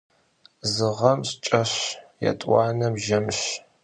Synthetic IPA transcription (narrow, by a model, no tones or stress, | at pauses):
zɨʁɐmɕt͡ʃʼɐɕjɐ̰tʼwɑːnɐbʒɐmɕ